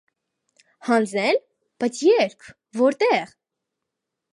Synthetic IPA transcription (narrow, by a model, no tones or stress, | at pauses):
hɑnd͡zɛn | b̥ɑt͡sʰjɛɾkʰ | vɔɾt̪ɛʁ